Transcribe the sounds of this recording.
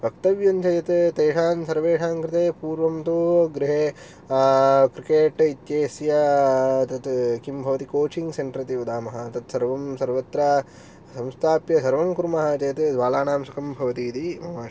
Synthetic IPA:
bʱɐk̚t̪ɐʋjɐnt͡ʃɐjɐt̪t̪eːʂaːnsɐɾʋeːʂaːŋkɾɪt̪eːpuːɾʋɐmt̪uɡɾiɦeː | kɾikeːʈit̪jeːsjɐt̪ɐt̪kimbʱɐʋɐt̪ikoːt͡ʃiŋɡseɳʈɾɐt̪iʋɐd̪aːmɐɦɐt̪ɐt̪sɐɾʋɐmsɐɾʋɐt̪ɾɐ | sɐ̃mst̪ʰaːpjɐsɐɾʋɐmkuɾmɐɦɐt͡ʃeːt̪d̪ʋaːlaːɳaːmsɐkɐmbʱɐʋɐt̪iːt̪imɐmaːʂ

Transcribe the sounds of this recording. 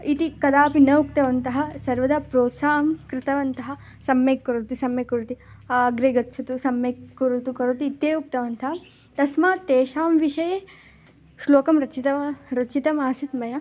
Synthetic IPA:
it̪ikɐd̪aːpinɐuk̚t̪ɐʋɐnt̪ɐɦɐsɐɾʋɐd̪ɐpɾoːt̪saːɦɐmkɾɪt̪ɐʋɐnt̪ɐɦɐ̆ | sɐmjeːkːɐɾut̪isɐmjɐkːuɾut̪i | aɡɾeːɡɐt̪ːt͡ʃʰɐt̪usɐmːekːuɾut̪ukɐɾut̪iːt̪jeːuk̚t̪ɐʋɐnt̪ɐɦɐ | t̪ɐsmaːt̪eːʃaːmʋiʃɐje | ʃloːkɐmɾɐt͡ʃit̪ɐɾɐt͡ʃit̪ɐmaːsit̪mɐjɐ

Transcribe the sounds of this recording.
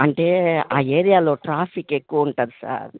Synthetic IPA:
ɐɳʈe̞ːa̰ːeːɾijaːlo̞ːʈɾaːpʰike̞kːuʋɐuɳʈaːd̪usa̰ːɾ

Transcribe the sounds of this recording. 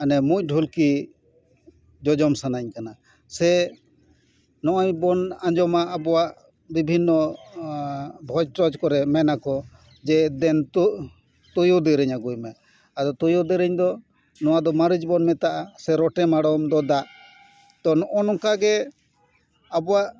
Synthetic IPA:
anɛmuc̚ˀɖʱulki | d͡ʒɔd͡ʒɔmsanaɲkana | sɛ | nɔʔaɲbɔnaɲd͡ʒɔmaʔːbɔwaʔ | bibʱinːɔ | bʱɔd͡ʒʈɔd͡ʒkɔɾɛmɛnakɔ | d͡ʒɛd̪ɛn | t̪ujɔd̪ɛɾɛɲaɡujmɛ | ad̪ɔt̪ɔjɔd̪ɛɾɛɲd̪ɔ | nɔwad̪ɔmaɾid͡ʒbɔnmɛt̪aʔasɛɾɔʈɛmaɽɔmd̪ɔd̪aʔ | t̪ɔnɔʔɔnɔŋkaɡɛ | abɔwaʔ

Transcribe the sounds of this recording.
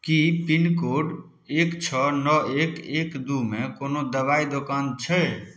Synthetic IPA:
kipinkoːɖ | eːkt͡ʃʰɔnɔekeːkd̪umẽkoːnod̪əʋaːid̪okaːnt͡ʃʰɛ

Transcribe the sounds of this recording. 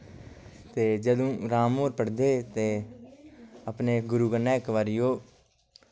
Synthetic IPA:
t̪eːd͡ʒəd̪õːɾaːmoːɾpəɽd̪eːt̪eː | əpneːɡʊɾuːɡənːẽːɪkʋəɾɪjoː

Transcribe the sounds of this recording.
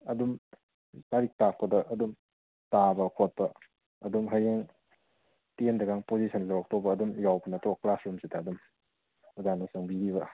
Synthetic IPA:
ɐdum | taɾik̚tak̚pɐdɐʔɐdum | tabɐkʰot̚pɐ | ɐdumɦajeŋ | tendɐɡaŋpozisʰɐnlawak̚tɔbɐːdumjawbɐnɐtɔklasɾumsidɐːdum | azanɐsɐŋbiɾiβɐ

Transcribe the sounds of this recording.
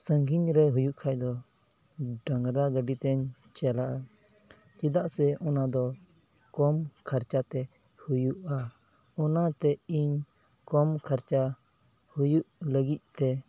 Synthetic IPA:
səŋɡʱiɲɾɛɦujuʔkʰajd̪ɔ | ɖəŋɾaɡəɖit̪ɛɲ | t͡ʃɛlaʔa | t͡ʃid̪aʔsɛʔɔnad̪ɔ | kɔmkʰaɾt͡ʃat̪ɛ | hujuʔa | ɔnat̪ɛiɲ | kɔmkʰaɾt͡ʃa | hujuʔləɡic̪̚ˀt̪ɛ

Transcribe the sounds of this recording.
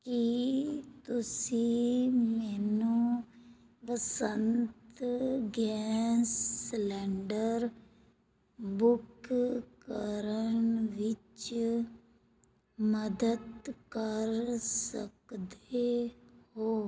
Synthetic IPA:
ki | t̪ʊsimɛːnũ | ʋəsənt̪ɡɛːsːlɛːɳɖəɾ | bʊkkəɾəɳʋɪt͡ʃ | məd̪əd̪kəɾsəkd̪ehoː

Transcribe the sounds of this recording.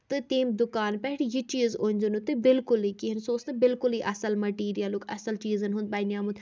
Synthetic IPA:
t̪ɨt̪iːmd̪ʊkaːnpɛɦʈjit͡ʃiːzonʲd͡ʒənut̪ɨbɪlkʊliːkiɦɐnsoːsnɐbɪlkʊliʔɐsəlmɐʈiːɾijəlukʰɐ̰səlt͡ʃiːzənɦũnd̪̚baːjnjaːmund̪

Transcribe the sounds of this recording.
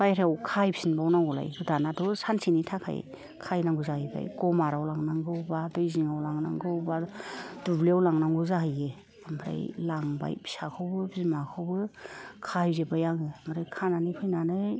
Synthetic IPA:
bajɾeawkʰajbisinbawnaŋɡɔla̰jɡɯdanadɔsansʰinitʰakʰa̰j | kʰajnaŋɡuzahɯjba̰jɡɔmaɾawlaŋnaŋɡɯwbadɯjziŋawlaŋnaŋɡɯwbad̥ubliawlaŋnaŋɡuzaɦɯje | ambɾa̰jlaŋba̰jbi̥sakʰɯwbɯbizmakʰɯwbɯkʰahijzebajaŋɯmaɾajkʰananɯpʰɯjnanɯ

